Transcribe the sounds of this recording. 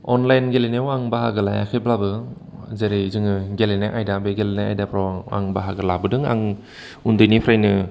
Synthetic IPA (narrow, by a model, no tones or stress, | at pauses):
ɔnlajnɡelenewaŋbaɦaɡɯlaja̰kʰɯjblabɯ | zeɾijzɯŋɯɡelenaʔajdabeɡelenaa̰jdapʰɾaa̰ŋbaɦaɡɯlabɯdɯŋa̰ŋ | undɯjnipʰɾajnɯ